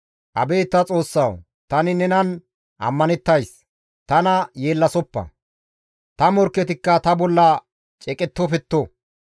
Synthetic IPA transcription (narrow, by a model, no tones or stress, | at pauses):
ʔɐ̰beːt̪ːɐt͡sʼo̞ːsːɐw | t̪ɐnɪnɛnɐn | ʔɐ̰mːɐnɛt̪ːɐjs | t̪ɐnɐje̞ːlːɐsɔpːɐ̰ | t̪ɐmɔɾkːɛt̪ɪkːɐt̪ɐbɔlːɐ | t͡ʃʼɛkʼɛt̪ːɔpɛt̪ːɔ